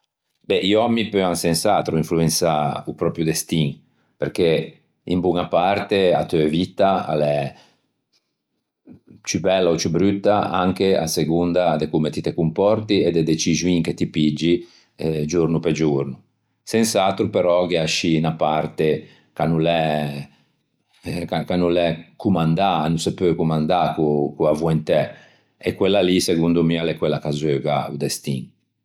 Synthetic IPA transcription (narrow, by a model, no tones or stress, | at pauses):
bɛʔimipøaŋsensat̪ɾuiɱfluensaupɾɔpɾjud̪est̪iŋ | peɾke | ḭmbuŋapaɾt̪ea̰t̪øvit̪ːaa̰lɛ | t͡ʃybɛlːaot͡ʃubɾyt̪ːaaŋkea̰seɡund̪ad̪ekumet̪it̪ekumpɔrt̪ied̪ed̪et͡ʃiʒuiŋket̪ipid͡ʒːi | d͡ʒuɾnuped͡ʒuɾnu | sensat̪ɾupeɾɔɡeaʃinapaɾt̪e | kanulɛ | kakanulɛkumand̪anusepøkumand̪akukuavuint̪ɛ | ekwelːaliseɡund̪umialɛkwɛlːakazøɡaṵd̪ɛst̪iŋ